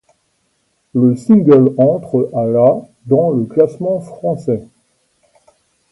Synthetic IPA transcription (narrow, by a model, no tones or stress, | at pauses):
ləsiŋɡœlɑ̃t̪χəʔala | d̪ɑ̃ləklasmɑ̃fχɑ̃sɛ